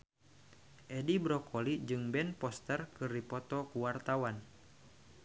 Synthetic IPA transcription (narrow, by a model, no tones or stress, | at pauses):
ʔɛdibɾɔkʰɔlid͡ʒɨŋbɛnpɔst̪ərkɨrdipɔt̪ɔkuwart̪awan